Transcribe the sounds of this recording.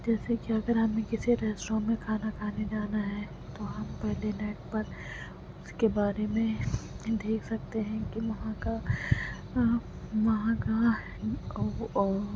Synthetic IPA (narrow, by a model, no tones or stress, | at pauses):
d͡ʒɛːsekiɐɡəɾɦɐmẽkɪsiɾɛːsʈɾõmẽkʰaːnakʰaːned͡ʒaːnaɦɛ | t̪oɦɐmpɛɦlenɛːʈ̚pɐɾ | ʊskebaːɾemẽd̪eːkʰsɐk̚t̪eɦɛ̃kiʋɐɦãka | ʋɐɦãka